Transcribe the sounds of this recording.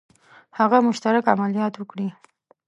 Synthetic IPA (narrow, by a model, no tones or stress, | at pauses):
haɣamʊʃt̪aɾakamalijɑt̪wəkɽi